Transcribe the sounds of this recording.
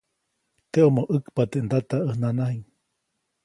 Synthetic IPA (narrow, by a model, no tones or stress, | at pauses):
t̪eomoʔəkpat̪eʔnd̪at̪aəhnanaɦiŋ